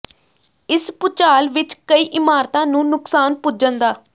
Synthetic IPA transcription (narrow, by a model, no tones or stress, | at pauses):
ɪspʊt͡ʃaːlʋɪt͡ʃkəiːʔɪmaːɾt̪ãːnũːnʊksaːnpʊd͡ʒənd̪aː